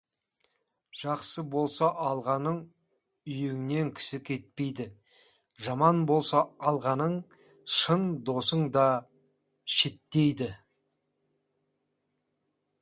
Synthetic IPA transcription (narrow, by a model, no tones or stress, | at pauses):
ʒ̥ɑqsəbo̞lˠsɑʔɑlˠʁɑnəɴ | ʏjeŋɪne̞ŋkʲʰɪ̥sɪkʲʰe̞t̪̚pe̞jd̪ɪ | ʒɑmɑnbo̞lˠsɑɑlˠʁɑnəɴ | ʃənd̪o̞səɴd̪ɑ | ʃet̪ːe̞jd̪ɪ